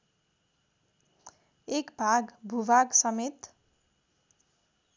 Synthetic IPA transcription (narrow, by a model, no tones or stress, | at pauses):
ekbʱaɡbʱubʱaɡsʌmet̪